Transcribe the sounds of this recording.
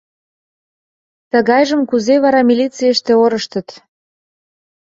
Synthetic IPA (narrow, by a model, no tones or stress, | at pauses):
t̪ə̆ɣɑjʒəmkuzeβɑɾɑmilʲit͡sijəʃt̪eoɾəʃt̪ə̆t̪